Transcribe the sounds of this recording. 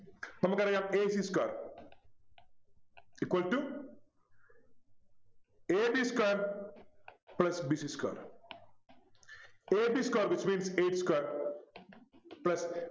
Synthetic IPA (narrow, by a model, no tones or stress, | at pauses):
t̪ɐmɐkɐɾɐjãːmeːsiːskaːɾ | ikʋɐlʈu | eːbiːskaːɾ | plɐsbiːsiska̰ːɾ | eːbiːskaːɾʋit͡ʃmĩːnseːʈskaɾ | plɐs